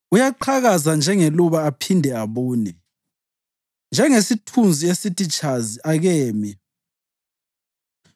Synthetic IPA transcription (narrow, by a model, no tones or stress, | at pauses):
ujaǃʰaɣazand͡ʒʱɛŋeluβaːpʰindʱɛaβuːnɛ | nd͡ʒʱɛŋesitʰund͡zʱiesitʼit͡ʃʼaziʔaɣɛːmi